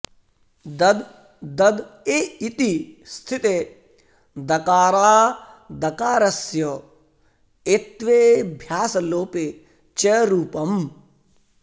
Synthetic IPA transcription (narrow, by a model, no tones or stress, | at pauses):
d̪ɐd̪ | d̪ɐd̪eːit̪ist̪ʰit̪e | d̪ɐkaːɾaː | d̪ɐkaːɾɐsjɐ | et̪ʋeːbʱjaːsɐloːpe | t͡ʃɐɾuːpɐm